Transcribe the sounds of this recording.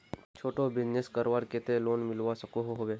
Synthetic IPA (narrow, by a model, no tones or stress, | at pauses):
t͡ʃʰoːʈobɪd͡ʒneskəɾʋaɾket̪eloːnmɪlʋasəkoɦoɦoʋeː